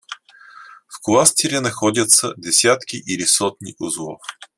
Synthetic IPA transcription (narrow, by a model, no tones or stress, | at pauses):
fklˠast̪iɾʲɛnɐxɔd̪ʲjɐt̪sɐ̰d̪ɛsʲjat̪kʲiʔilisɔt̪nʲḭʔʊzlˠɔf